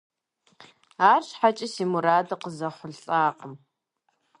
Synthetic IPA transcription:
aːrʃħat͡ʃʼɪsiːmuɾaːdɐqəzɐχʷʊɮɬʼaːqʼəm

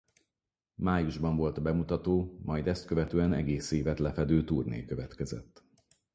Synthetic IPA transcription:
maːjuʒbɒɱvo̞lt̪bɛmut̪ɒt̪oːmɒjd̪ɛst̪̚køvɛt̪øːɛnɛ̰ɡeːseːvɛt̪lɛfɛd̪øːt̪uːrnḛːjkøvɛt̪kɛzɛ̰t̪ː

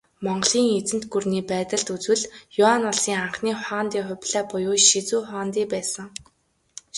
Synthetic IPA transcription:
mɔɴɢɮiːŋet͡sɘ̆nt̪ɡurniːpæːt̪ə̆ɮt̪ut͡swɘ̆ɮjʊanɔɮsiːŋaɴχniːχɔːnt̪iːχʊ̟pʲɮaːpʊjʊːʃit͡suːχɔːnt̪iːpæːsə̆ŋ

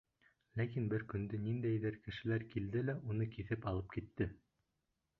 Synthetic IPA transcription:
lækinbɘɾkɵ̆nd̪ɘnind̪æjðɘɾkɘ̆ʃɘ̆læɾkild̪ɘlæʔunɤkiθɘpɑlˠɤp̚kit̪ːɘ

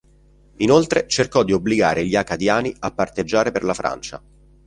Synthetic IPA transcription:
inolt̪ɾet͡ʃerkɔd̪ːiobːliɡaːɾʔeʎiakad̪jaːniapːart̪ed͡ʒːaːɾeperlafɾa̰nt͡ʃa̰

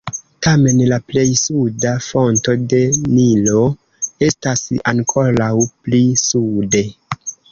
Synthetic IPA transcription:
tame̞nlaple̞jsudafo̞nto̞de̞nilo̞ | e̞stasaŋkʰo̞ɾawplisude̞

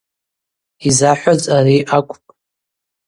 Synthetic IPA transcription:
izaħʷᶣat͡sʼaɾiʔakʷʰʼpʼ

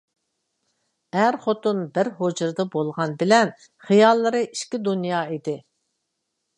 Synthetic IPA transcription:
æɾχot̪unbɪɾɦod͡ʒuɾd̪ɨbolˠʁɑnbɪlɛn | χijɑlˠːɨɾɨʔiʃkʲid̪unjɑːid̪ɪ

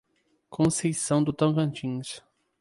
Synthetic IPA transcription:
kʰõsejsɐ̃w̃d̪ʊt̪ɐ̃w̃kɐ̃nt͡ʃĩs

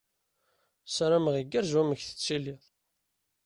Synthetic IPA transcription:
sɾaməʁiɡːəɾʒwæməçθə̥t͡sːiliðˤ

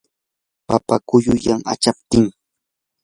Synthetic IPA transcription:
papakʊjʊjaŋa̰t͡ʃap̚t̪ɪŋ

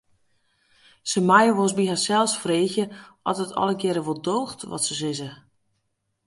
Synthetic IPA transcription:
səmajəʋosbiɦasɛlˠsfreːxjəʔɔtətʰɔ̰lˠəɡjɛɾəʋolˠdoːxtʋɔ̰tsəsɪzə

